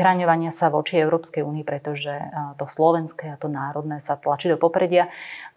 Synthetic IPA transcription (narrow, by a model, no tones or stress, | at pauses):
ɦɾaɲɔʋaɲɪasaʋɔt͡ʃiɛʊɾɔːpskɛjuːniipɾɛt̪ɔʒɛt̪ɔslɔʋɛnskɛːat̪ɔnaːɾɔd̪nɛːsat̪lat͡ʃid̪ɔpɔpɾɛɟɪa